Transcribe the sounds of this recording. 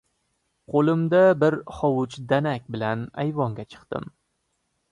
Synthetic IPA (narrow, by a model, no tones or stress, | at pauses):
qʰolɪmd̪abɪɾχɒwʊt͡ʃd̪anakʲbɪlanajvɒŋɡʲat͡ʃʰɨ̥qt̪ɪ̰m